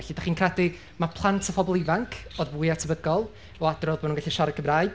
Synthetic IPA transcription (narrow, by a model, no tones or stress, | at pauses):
ɛɬidaχiːnkʰradɪ | mapʰlˠantʰəpʰɔbɔlˠɪvaŋkʰoðbʊɨatʰəbəɡɔlˠ | ɔadrɔðbanunŋɡaɬiʃaɾəkʰəmraːɨ̥